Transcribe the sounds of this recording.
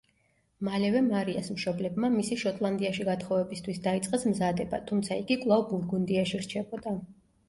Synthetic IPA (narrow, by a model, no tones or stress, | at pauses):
malɛvɛmaɾiasmʃɔblɛbmamisiʃɔt̪ʼlˠand̪iaʃiɡat̪χɔvɛbist̪ʰwisd̪ait̪sʼqʼɛsmzad̪ɛbat̪ʰumt̪sʰaiɡikʼwlˠavbuɾɡund̪iaʃiɾt͡ʃʰɛbɔd̪a